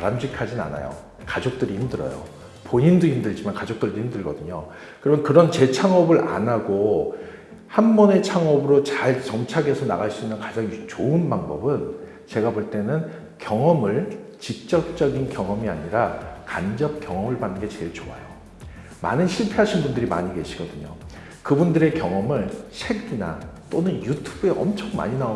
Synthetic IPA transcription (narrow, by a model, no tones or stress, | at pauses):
aɾamd͡ʑikʰad͡ʑina̰na̰jo̰ | kad͡ʑok̚t͈ɯɾihimdɯɾʌ̰jo̰ | poɲinduimdɯɭd͡ʑimankad͡ʑok̚t͈ɯɭduimdɯɭɡʌdɯɲo | kɯɾʌmjʌnkɯɾʌnt͡ɕe̞t͡ɕʰaŋʌbɯɾʔa̰naɡo | hanbʌne̞t͡ɕʰaŋʌbɯɾot͡ɕaɭt͡ɕʌŋt͡ɕʰaɡe̞sʰʌnaɣaɭs͈uinːɯnkad͡ʑaŋt͡ɕoɯnbaŋbʌbɯn | t͡ɕe̞ɡaboɭt͈e̞nɯn | kjʌŋʌmɯɭt͡ɕik̚t͡ɕ͈ʌk̚t͡ɕ͈ʌɡinkjʌŋʌmia̰ɲiɾakand͡ʑʌp̚kjʌŋʌmɯɭbanːɯnŋɡe̞t͡ɕe̞ɭt͡ɕoa̰jo | ma̰nɯnɕʰiɭpʰe̞ɦaɕʰinbundɯɾima̰ɲike̞ɕʰiɡʌdɯɲo | kɯbundɯɾe̞kjʌŋʌmɯnɕʰe̞ɡina̰t͈onɯnjutʰubue̞ʔʌ̰mt͡ɕʰʌŋma̰ɲinao